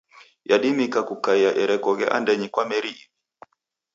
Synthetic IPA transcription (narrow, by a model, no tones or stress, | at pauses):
jaɗimikakukaiaʔɛɾɛkɔɣɛʔa̰ndɛɲikwamɛɾiːmi